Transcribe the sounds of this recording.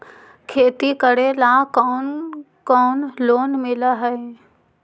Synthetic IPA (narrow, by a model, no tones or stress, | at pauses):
kʰeːt̪ikəɽelãkɔːn | kɔːnloːnmɪləɦəe